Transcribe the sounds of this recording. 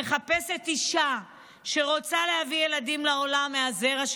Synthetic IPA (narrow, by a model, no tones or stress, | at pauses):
eχape̞se̞t̪iʃa | ʃe̞ʁo̞t͡sale̞havije̞ladimlao̞lameazeʁaʃ